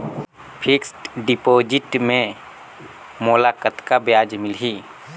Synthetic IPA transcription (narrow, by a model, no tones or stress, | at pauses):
pʰɪksʈɖipoːd͡ʒɪʈmẽ | molakət̪kabjaːd͡ʒmɪlɦiː